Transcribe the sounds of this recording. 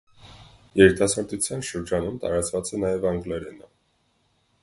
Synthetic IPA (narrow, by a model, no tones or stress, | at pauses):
jɛɾit̪ɑsɑɾt̪ut͡sʰjɑnʃəɾd͡ʒɑnumt̪ɑ̰ɾɑt͡svɑt͡sɛnɑjɛvɑŋɡlɛɾɛnə